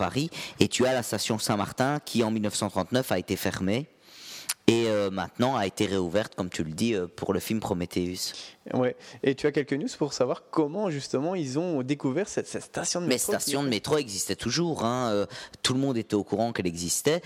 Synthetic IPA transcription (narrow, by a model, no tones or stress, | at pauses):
pa̰ʁiet̪yalast̪asjɔ̃sɛ̃ma̰ʁt̪ɛ̃kʲʰiɑ̃milnəfsɑ̃t̪χɑ̃t̪nœfaet̪efɛ̰ʁme | eømɛ̰̃t̪nɑ̃aet̪eʁeuvɛʁt̪kɔmt̪ʰyləd̪iøpuʁləfilmpχɔmet̪ʰeyswɛet̪yakʲɛlkənjuzpuʁsavwaʁkɔmɑ̃ʒyst̪əmɑ̃ilzɔ̃d̪ekuvɛʁsɛt̪sɛt̪st̪asjɔ̃mɛst̪asjɔ̃d̪əmet̪χoɛɡzist̪ɛt̪ʰuʒuːʁɛ̃øt̪uləmɔ̃d̪et̪ɛokuʁɑ̃kɛlɛɡzist̪ɛ